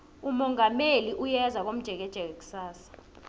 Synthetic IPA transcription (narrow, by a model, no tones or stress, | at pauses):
umɔŋameliʔujɛzak̬om̩d̥ʒ̥ʱɛk̬ɛd̥ʒ̥ʱɛk̬ek̬u̥saːsḁ